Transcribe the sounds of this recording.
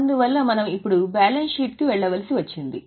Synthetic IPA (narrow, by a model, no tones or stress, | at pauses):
ɐnd̪uʋɐlːɐmɐnɐmipːuɽubaːlɐnʃiːʈ̚kiʋɛɭːɐʋɐlisiʋɐt͡ʃːind̪i